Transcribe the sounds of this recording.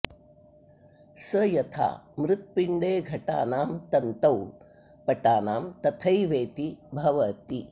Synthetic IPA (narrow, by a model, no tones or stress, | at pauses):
sɐjɐt̪ʰa̰ːmɾɪt̪̚piɳɖeːɡʱɐʈa̰ːnaːmt̪ɐnt̪ɐw | pɐʈaːnaːmt̪ɐt̪ʰɐjʋeːt̪ibʱɐʋɐt̪i